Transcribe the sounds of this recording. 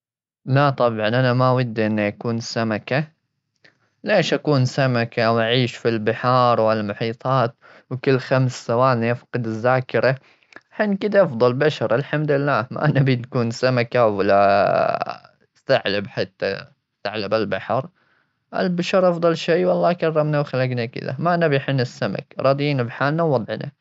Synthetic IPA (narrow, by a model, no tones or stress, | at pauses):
lat̪ˤɑbʕɑnʔanamawad̪ːʔɪnːaʔakuːnsamaka | leːʃʔakuːnsamakawʔaʕiːʃfilbɪħɑːɾˤwallmʊħiːt̪ˤɑːt̪̚ | wkɪlːxamsːawaːniʔafqɨd̪ɪzːaːkɪɾa | aħiːnkɪd̪aʔɑfd̪ˤɑlbaʃɑɾˤʔɪlħamd̪ɪlːaːma̰ʔnabinkuːnsamakawalːa | st̪aʕlabħat̪ːa̰ | st̪aʕlabalbaħɑɾˤ | ʔa̰lbaʃɑɾˤʔɑfdˤɑlʃiːwɑlˤːɑːkɑrˤːɑmnawxalaɡnakɪ̰ða̰maʔanabjħɪnːɪsːama̰kɾˤɑːd̪ˤiːnabħaːlnawːɑd̪ˤʕna̰